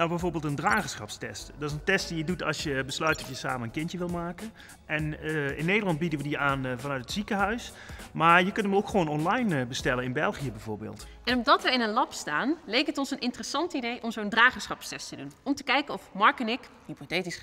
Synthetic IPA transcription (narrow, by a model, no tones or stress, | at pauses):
nawbɛjvoːɹbeːlˠtəndraːχəsχɑ̰pstɛstdɑtɪsəntɛst̚dijədutɑ̰sjəbəslœɥt̚dɑtjəsa̰ːmənənkɪntəʋɪlˠmaːkən | ʔɛnɪnːejdəɹlɑnd̚bidənʋədiaːnvɑnœɥtətsikəɦœɥs | maːɹjəkɵntəmowkχʋownɔnlɑjnbəstɛlənɪnbɛlˠχijəbɛjvo̰ːɹbḛːlˠt | ʔɛnɔmdɑtʋəɪnənlɑpstaːnlejkɦətɔnsənʔɪntərəsɑntəidejʔɔmzowndraːχəsχɑpstɛstədunɔmtəkɛjkənɔfmɑɹkənɪk | hipotejtis